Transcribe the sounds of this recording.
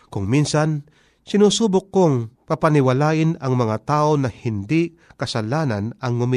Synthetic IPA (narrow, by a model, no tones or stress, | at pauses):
kʊŋminsan | sɪnuːsuːbʊkːoŋpɐpɐnɪwɐlaːʔɪnɐŋmɐŋat̪aːʔonɐhɪnd̪ɪ | kɐsɐlaːnanɐŋːʊmɪ